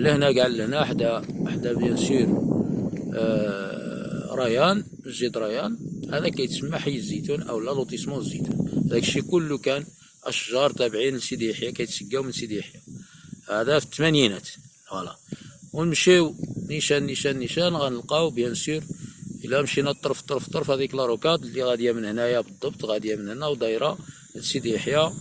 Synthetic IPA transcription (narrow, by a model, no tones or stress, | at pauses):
lːəhnæɡʕəlːəhnæħd̪æaħd̪æbjænsiɾ | ɾˤɑjæn | məzid̪ɾˤɑjænhæd̪ækæjt̪smːaħəjːzːit̪unʔə̰wlːælut̪ˤismunzit̪unhd̪ækʃikʊlːukæn | ʔæʃʒɑɾˤt̪æbʕinəlsid̪iħjakæjt̪səɡːæwmənsid̪iħjahæd̪æft̪ːmænjinæt̪ | wælæwəmʃiwniʃænːiʃænːiʃænɣænəlqɑwbjænsiɾʔəlæmʃinæt̪ˤːɑɾˤft̪ˤːɑɾˤft̪ˤːəɾˤfhæd̪iklɾˤukɑd̪liɣæd̪jæmənhnæjæbəd̪ˤːɑbt̪ˤɣæd̪jæmənhnæwd̪ˤɑjɾˤɑ | sid̪iħjæ